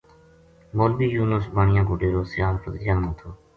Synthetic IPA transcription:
moːlbiːjuːnəsbaːɳɪjãːkoːɖeːɾoːsɪjaːlfəzɪjaːnãːt̪ʰoː

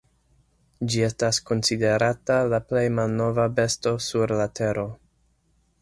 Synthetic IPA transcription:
d͡ʒie̞stasko̞nside̞ɾatalaple̞jmalno̞vabe̞sto̞suɾlatʰe̞ɾo̞

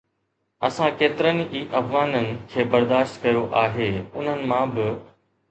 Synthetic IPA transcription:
ɐsãkeːt̪ɪɾənɪ̆iːʔɐfɣaːnənɪ̆kʰeːbɐɾd̪aːʃt̪kɐjoʔaːɦeːʊn̤ənɪ̆mãːbɪ

